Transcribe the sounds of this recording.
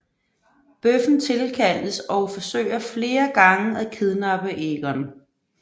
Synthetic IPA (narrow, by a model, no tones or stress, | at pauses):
b̥øfn̩t͡sʰe̝lkʰæl̰əsɒ̽ʊfɒ̽sø̰ːɪ̰ɐfle̝ːɐɡ̥ɑ̈ŋəækʰeðˠnɑ̈b̥əʔeɡ̥ɐn